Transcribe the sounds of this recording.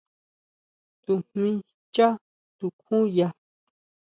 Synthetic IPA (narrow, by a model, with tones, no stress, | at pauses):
t̪u˧˨hmĩ˧ | t͡ʃa˦ | t̪u˧kʰũ˦ja˧